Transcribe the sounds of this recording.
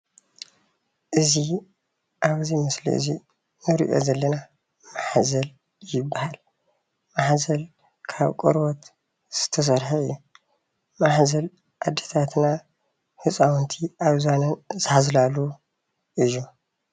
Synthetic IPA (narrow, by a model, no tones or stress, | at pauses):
ʔɨzi | ʔaβɨzimɨslḭʔɨ̰zi | nɨɾḭʔo̞̰zɐlːɐna | maħzɐl | jɪbːahal | maħzɐl | kʰaβkʼɔɾbot̪ | z̥ɨ̥t̪ʰɐs̬ɐɾħaɨ̰jːu | maħzɐl | ʔad̪ːet̪ʰat̪na | hɨsʼawnt̪ʰiʔaβzanɐnzɨhazlalu | ʔɨjːu